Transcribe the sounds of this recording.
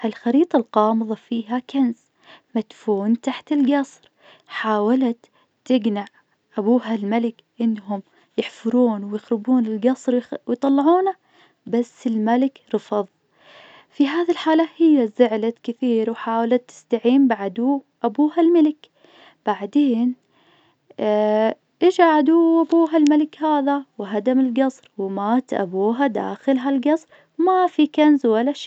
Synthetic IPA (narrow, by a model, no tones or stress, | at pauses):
ʔɪlxɑɾiːt̪ˤɑlqɑːmɨðˤɑfiːɦakanz | mat̪fuːnt̪aħt̪ɪlɡɑsˤɾ | ħaːwalat̪ː | ɪɡnaʕ | ʔabuːɦalmalɪk | ʔɪnːɦʊm | jɪħfʊɾuːnwɪjɪxɾɪbuːnɪlɡɑsˤɾwjt̪ˤɑlːɑʕuːna | basːɪlmalɪkɾɨfɑðˤ | fiɦaːðilħaːlahɪjːazʊʕlakɪθiːɾwħaːwlat̪ːɪ̥st̪aʕiːmbaʕad̪uː | ʔabuːhalmalɪk | b̥aʕd̪eːn | ʔɪd͡ʒaʕad̪uʔabuːɦalmalɪkhaːðawɦad̪amɪlɡɑsˤɾwɪmaːt̪ʔa̰buːɦad̪a̰ːxɪlɦalɡɑsˤɾ | mafikanzwalːaʃiː